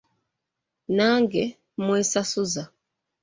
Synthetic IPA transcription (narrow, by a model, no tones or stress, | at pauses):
naŋɡɛ | mwɛsasuza